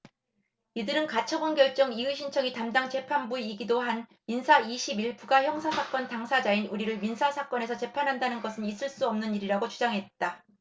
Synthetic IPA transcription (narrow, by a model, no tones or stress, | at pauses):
idɯɾɯnkat͡ɕʰʌbonɡjʌɭt͡ɕ͈ʌŋiuɕʰint͡ɕʰʌŋitamdaŋt͡ɕe̞pʰanbuiɡidoɦanminsʰaiɕʰibiɭpuɡaçjʌŋsʰasʰak͈ʌntaŋsʰad͡ʑainuɾiɾɯɭminsʰasʰak͈ʌne̞s̬ʰʌt͡ɕe̞pʰanɦandanɯnɡʌsʰɯnis͈ɯɭs͈uʌmnɯniɾiɾaɡot͡ɕud͡ʑaŋɦe̞t̚t͈a